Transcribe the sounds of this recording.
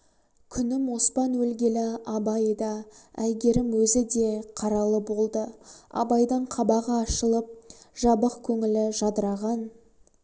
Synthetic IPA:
kʲʰʏnɪmo̞spɑnwɵlɡʲe̞lɪɑbɑjd̪ɑæjɡʲe̞ɾɪmwɵzɪd̪e̞qʰɑɾɑlˠəbo̞lˠd̪əɑ̰bɑjd̪əɴqʰɑbɑʁɑːʃəlˠəp̚ʒ̥ɑbəqkʲʰɵŋɪlɪʒɑd̪əɾɑʁɑn

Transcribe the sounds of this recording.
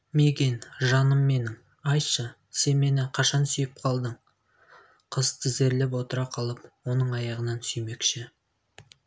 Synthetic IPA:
meɡʲenʒɑnəmːe̞nɪŋ | ɑjʃə | se̞nme̞nɪqʰɑʃɑnsʏjɪp̚qʰɑlˠd̪əɴ | qʰəzt̪əze̞ɾlep̬wo̞t̪əɾɑqʰɑlˠəp̚wo̞nəɴɑjɑʁənɑnsʏjme̞kʃɪ

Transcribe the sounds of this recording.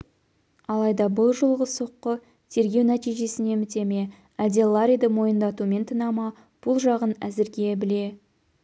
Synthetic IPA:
ɑlˠɑjd̪ɑbʊlˠʒəlˠʁəso̞qːə | t̪ʰe̞ɾɡʲe̞wnæt̪ijʒe̞sɪne̞mɪt̪e̞me̞ | æld̪elˠːaɾʲijd̪əmo̞jənd̪ɑt̪ume̞nt̪ʰənɑmɑ | b̥ʊlˠʒɑʁənæzɪɾɡʲe̞bɪle̞

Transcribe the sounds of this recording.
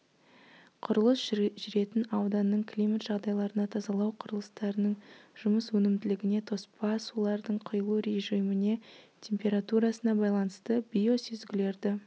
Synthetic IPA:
qʰʊɾəlˠəsʒʒʏɾe̞t̪ɪnɑwd̪ɑnːəɴkʲʰlʲijmat̪ʒ̥ɑʁd̪ɑjlˠɑɾənɑt̪ʰɑzɑlˠɑwqʰʊɾəlˠəst̪ɑɾənəɴʒ̥ʊməswɵnɪmd̪ɪlɪɡʲɪne̞t̪ʰo̞spɑsulˠɑɾd̪əɴqʰʊjəlˠuɾe̞ʒijmɪne̞t̪ʲʰe̞mpʲe̞ɾat̪uɾɑsənɑbɑjlˠɑnəst̪əbʲijo̞sezɡʲɪle̞ɾd̪ɪ

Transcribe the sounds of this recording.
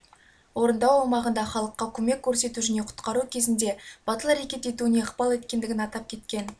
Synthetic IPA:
wo̞ɾənd̪ɑwɑmɑʁənd̪ɑχɑlˠəqːɑkʲʰɵmekʲːɵɾse̞t̪uʒɪne̞qʰʊ̥t̪qɑɾukʲʰe̞zɪnd̪e̞b̥ɑt̪əlˠɑɾekʲe̞t̪e̞t̪uɪne̞əqpɑlˠe̞t̪kʲe̞nd̪ɪɡʲɪnɑt̪ɑp̚kʲʰe̞t̪kʲe̞n

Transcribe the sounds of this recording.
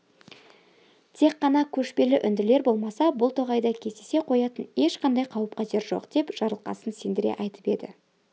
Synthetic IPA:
t̪ʰe̞qːɑnɑkʲʰɵʃpe̞lɪʔʏnd̪ɪle̞ɾbo̞lˠmɑsɑbʊlˠt̪ʰoʁɑjd̪ɑkʲʰe̞zd̪ese̞qʰo̞jɑt̪əne̞ʃqʰɑnd̪ɑjqʰɑwəp̚qɑʒe̞ɾʒo̞̰qd̪̥e̞pʒ̥ɑɾəlˠqɑ̰sənsend̪ɪɾe̞̰ʔɑjt̪ə̥pe̞̰d̪ɪ̰

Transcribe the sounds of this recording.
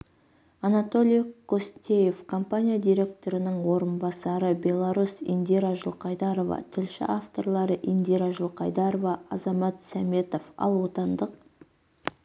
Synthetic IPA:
ɑnɑt̪o̞lʲˠijkʰost̪ʲe̞je̞fkʰo̞mpanʲijad̪ijɾʲe̞k̚t̪o̞ɾɪnəɴwo̞ɾənbɑsɑɾəbʲe̞lˠɑɾusḭnd̪iɾaʒəlˠqɑjd̪ɑɾo̞vɑ̰t̪ʰɪlʃɪ̰ʔaft̪o̞rlˠɑɾəʔind̪iɾaʒəlˠqɑjd̪ɑɾovɑɑzɑmɑt̪sæme̞t̪o̞fɑ̰lˠwo̞t̪ɑnd̪əq

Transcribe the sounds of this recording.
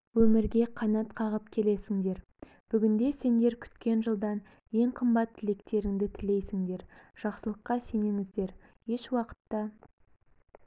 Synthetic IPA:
wɵmɪɾɡʲe̞qʰɑnɑt̪qʰɑʁəpkʲʰe̞le̞sɪŋd̪e̞ɾ | b̥ʏɡʲɪnd̪e̞se̞nd̪e̞ɾkʲʰʏ̥t̪kʲe̞nʒəlˠd̪ɑn | je̞ŋqʰəmbɑt̪ʰːɪle̞kt̪e̞ɾɪŋd̪ɪt̪ʰɪle̞jsɪŋd̪e̞ɾʒ̥ɑqsəlˠəqːɑse̞neŋɪzd̪e̞ɾ | je̞ʃwɑqə̥t̪ːɑ

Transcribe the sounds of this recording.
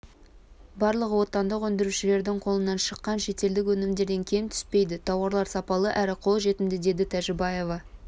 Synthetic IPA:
bɑɾlˠəqwo̞t̪ːɑnd̪əqwɵnd̪ɪɾuʃɪle̞ɾd̪ɪŋqʰo̞lˠənɑnʃəqːɑnʃe̞t̪e̞ld̪ɪk̬ʲwɵnɪmd̪e̞ɾd̪e̞ŋkʲʰe̞mt̪ʰʏ̥spe̞jd̪ɪt̪ʰɑwɑɾlˠɑɾsɑpɑlˠəʔæɾɪqʰo̞lˠʒe̞t̪ɪmd̪ɪd̪e̞d̪ɪt̪ʰæʒɪbɑje̞vɑ

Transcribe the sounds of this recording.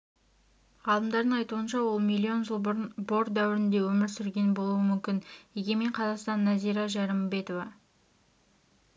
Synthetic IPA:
ʁɑlˠəmd̪ɑɾd̪əɴɑjt̪uənʃɑwo̞lˠmijlʲːio̞nʒəlˠbo̞ɾd̪æwɪɾɪnd̪e̞wɵmɪɾsʏɾɡʲe̞nɪbo̞lˠuəmʏmkʲɪnjeɡʲe̞me̞ɴqʰɑzɑqst̪ɑnːæzijɾɑʒæɾɪmbe̞t̪o̞vɑ

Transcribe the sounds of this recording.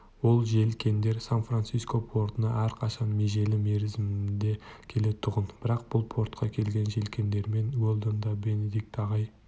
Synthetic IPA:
wo̞lˠʒe̞lkʲe̞nd̪e̞ɾsanfransijskopʰo̞ɾt̪ənɑʔæɾqʰɑʃɑnmeʒe̞lɪme̞ɾɪzɪmd̪e̞kʲʰe̞le̞t̪ʰʊʁənb̥ɪɾɑq̚b̥ʊlˠpʰo̞ɾt̪qʰɑkʲʰe̞lɡʲe̞nʒe̞lkʲe̞nd̪e̞ɾme̞nɡolˠd̪ond̪ɑbe̞ne̞d̪ik̚t̪ɑʁɑj

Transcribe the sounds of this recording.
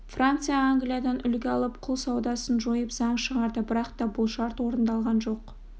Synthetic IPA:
frant̪sɨjaːŋɡlijad̪ɑnʔʏlɡʲeɑlˠəp̚qʰʊlˠsɑwd̪ɑsənʒo̞jəpzɑɴʃəʁɑɾd̪əbɪɾɑqt̪ɑbʊlˠʃɑɾt̪wo̞ɾənd̪ɑlˠʁɑnʒo̞q

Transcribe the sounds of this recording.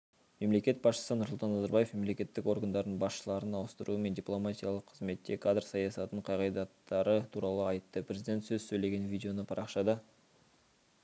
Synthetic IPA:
me̞mle̞kʲe̞t̪̚bɑsʃə̥sənʊɾsʊlˠt̪ɑnːɑzɑɾbɑjefme̞mle̞kʲe̞t̪ːɪko̞ɾɡand̪ɑɾd̪ənbɑsʃəlˠɑɾənɑwəst̪əɾʔuəme̞nd̪ʲiplˠomat̪ʲijɑlˠəqʰəzme̞t̪ːe̞kʰad̪rsɑjɑsɑt̪əɴqʰɑjʁɑjd̪ɑt̪ːɑɾət̪ʰuɾɑlˠəɑjt̪ːəpɾʲezid̪ʲe̞nt̪sɵzsɵjle̞ɡʲe̞nvʲijdʲeo̞nəpʰɑɾʔɑqʃɑd̪ə

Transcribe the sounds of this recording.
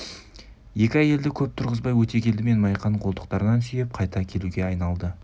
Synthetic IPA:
je̞kʲɪɑje̞ld̪ɪkʲʰɵp̚t̪ʰʊɾʁəzbɑjwɵt̪e̞kʲʰe̞ld̪ɪme̞nmɑjqʰɑɴqʰolˠt̪ə̥q̚t̪ɑɾənɑnsʏje̞p̚qʰɑjt̪ɑkʲʰe̞luɡʲe̞ɑjnɑlˠd̪ə

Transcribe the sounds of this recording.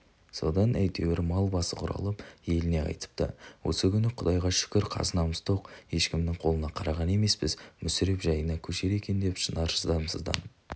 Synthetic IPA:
so̞̰d̪ɑnʔæjt̪e̞wɪɾmɑlˠbɑsəqʰʊɾɑ̰lˠəpje̞lɪne̞ɑ̰jt̪ə̥p̚t̪ə̰wʔo̰səkʲʰʏnɪqʰʊd̪ɑjʁɑʃʏ̥kʲɪɾqʰɑ̰zənɑməst̪ʰoqje̞ʃkʲɪmnɪŋqʰo̞lˠənɑqʰɑɾɑʁɑne̞me̞spɪzmʏsɪɾe̞pʒɑjənɑkʲʰɵʃe̞ɾe̞kʲe̞nd̪e̞pʃənɑɾʃəzd̪ɑmsəzd̪ɑ̰n

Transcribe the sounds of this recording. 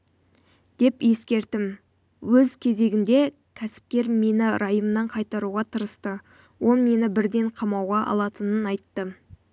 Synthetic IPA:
d̪̥e̞pje̞skʲe̞ɾt̪ɪm | wɵzkʲʰe̞ze̞ɡʲɪnd̪e̞ | kʲʰæsɪ̥p̚kʲe̞ɾme̞nɪɾʔɑjəmnɑɴqʰɑjt̪ɑɾuʁɑt̪ʰəɾəst̪ə | wʔo̞lˠme̞nɪbɪɾd̪e̞ɴqʰɑmɑwʁɑʔɑ̰lˠɑt̪ənənɑjt̪ːə

